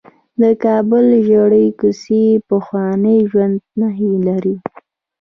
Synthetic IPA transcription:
d̪əkɑbʊlʒaɽəjkusepəxwɑnəjʒwand̪̚naɦilaɾi

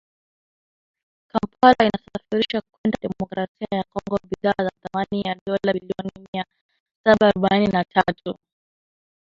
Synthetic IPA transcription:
kampalainasafiɾiʃakwɛndaɗɛmɔkɾasiajakɔŋɡɔɓiðaːzaθamanijaɗɔlailiɔnimia | saɓaːɾɔɓaninatʰatu

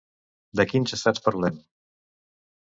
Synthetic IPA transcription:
d̪əkint͡ʃəsat͡spəɾlen

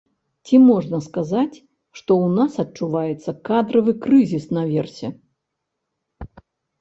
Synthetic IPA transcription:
t͡sʲimɔʐnɐskazat͡sʲ | ʂt̪ɔwnasɐt̚t͡ʂuvajɛt̪sːɐkad̪ɾɐvɨkɾɨzʲisnɐvʲɛrsʲɛ

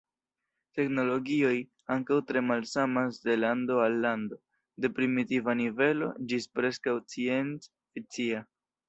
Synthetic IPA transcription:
te̞kno̞lo̞ɡio̞j | aŋkawtɾe̞malsamasde̞lando̞alːando̞ | de̞pɾimitivanive̞lo̞̰d͡ʒispɾe̞skawt͡sie̞nt͡s | fit͡sia

